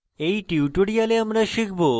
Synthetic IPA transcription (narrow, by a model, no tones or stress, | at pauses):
ejʈiwʈuɽijaleamɾaʃikʰbo